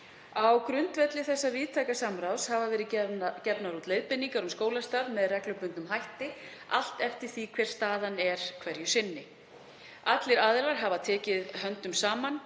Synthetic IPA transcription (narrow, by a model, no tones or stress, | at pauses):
awkɾʏnt̪vɛt̪lɪθɛsːaviːðt̪ʰajkasamɾawshavavɛːɾɪcɛpnaɾut̪leːjðpɪnːiŋkaɾʏmskoːwlast̪aːðmɛðrɛklʏpʏnt̪nʏmɦajht̪ɪa̰l̥t̪ɛft̪ɪɾ̥θikʰvɛr̥st̪aːðanɛɾ̥kʰv̥ɛɾjʏsɪnːɪ | at̪lɪɾaːðɪlaɾ̥ɦavat̪ʰɛːcɪðɦœnt̪ʏmsaːman